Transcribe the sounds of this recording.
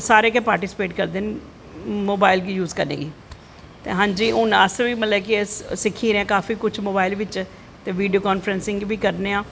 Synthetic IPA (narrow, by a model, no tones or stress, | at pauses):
saːɾeːkeːpaːɾʈɪsɪ̥peːʈkəɾd̪eːn | moːbaːɪlɡiːjuːzkəɾnḛːɡiː | t̪ḛːɦãːɲd͡ʒiːʊnəsʋiːmət̪ləkɪsɪkʰːĩːɾɛ̃ːkaːfiːkʊt͡ʃʰmoːbaːɪlʋɪt͡ʃ | t̪eːʋiːɖijoːkaːnfɾənsɪ̃ŋɡbiːkəɾneːãː